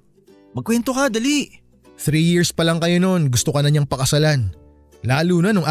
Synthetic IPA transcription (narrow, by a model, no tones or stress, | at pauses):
mɐɡkːwɛnt̪okɐd̪ɐli | θɾijiɹspɐlɐŋkɐjo̞no̞nɡʊst̪okɐnɐɲaŋpɐkɐsɐlan | laːluːnɐnʊŋʔa